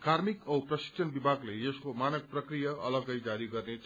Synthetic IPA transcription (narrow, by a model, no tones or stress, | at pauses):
karmikʌwprʌsi̥kt͡sʰʌnbibʱaɡleʌskomanʌk̚prʌkrijʌʌ̰lʌɡʌjd͡zaɾiɡʌrne